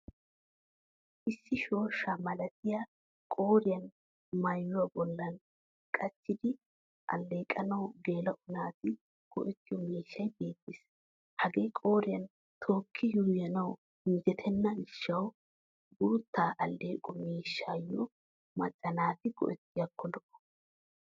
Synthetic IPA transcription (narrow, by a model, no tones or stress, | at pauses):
ʔɪsːɪʃo̞ːʃːamɐlɐt̪ɪja | kʼo̞ːɾɪjɐn | mɐjːʊwɐbɔlːɐn | kʼɐt͡ʃːɪd̪ɪ | ʔɐ̰lːeːkʼɐnɐwɡeːlɐʔʊnaːt̪ɪ | kɔ̰ʔɛt̪ːɪjɔmeːʃːɐjbe̞ːt̪ːɪs | hɐɡeːkʼo̞ːɾɪjɐn | t̪ʰo̞ːkʰːɪjuːjɐnɐw | hɪnd͡ʒɛt̪ʰɛnːɐɪʃːɐw | ɡʊɾt̪ːaːʔɐlːe̞ːkʼɔmeːʃːaːjːɔ | mɐt͡ʃʼːɐnaːt̪ɪkɔ̰ʔɛt̪ːɪjɐkːɔlɔʔɔ̥